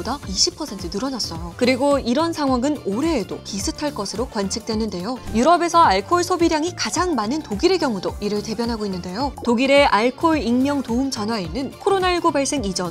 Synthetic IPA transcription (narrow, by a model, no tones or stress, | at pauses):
bodaiɕʰipʰʌsʰe̞ntʰɯnɯɾʌnas͈ʌjokɯɾiɡoiɾʌnsʰaŋɦwaŋɯnoɾe̞ːdo̰kisʰɯtʰaɭk͈ʌsʰɯɾokwant͡ɕʰik̚t͈we̞nɯnde̞jojuɾʌbe̞sʰʌaɭkʰoːɭsʰobiɾjaŋikad͡ʑaŋmanɯntoɡiɾe̞ɡjʌŋudoiɾɯɭte̞bjʌnɦaɡoinːɯnde̞jotoɡiɾe̞ʔaɭkʰoɭiŋmjʌŋtoumt͡ɕʌnɦwainːɯnkʰoɾonaiɭɡubaɭs͈e̞ŋid͡ʑʌn